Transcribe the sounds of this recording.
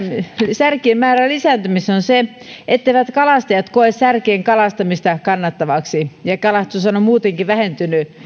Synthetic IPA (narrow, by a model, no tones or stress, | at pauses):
særkiemmæːrælisænt̪ymisonse | et̪ːeiʋæt̪kɑlɑst̪ɑjɑt̪koessærkeːŋkɑlɑst̪ɑmist̪ɑkɑnːɑt̪ːɑʋɑksijɑkɑlɑst̪usɑnomuːt̪eŋkiʋæhent̪yny